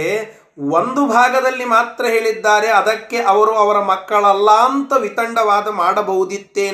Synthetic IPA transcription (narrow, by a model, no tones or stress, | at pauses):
e | ond̪ubʱaːɡɐd̪ɐlːimaːt̪ɾɐɦe̞ːɭid̪ːaːɾe̞ɐd̪ɐkːe̞ʔɐʋɐɾuɐʋɐɾɐmɐkːɐɭɐlːaːnt̪ɐʋit̪ɐɳɖɐʋaːd̪ɐmaːɽɐbɐɦud̪it̪ːeː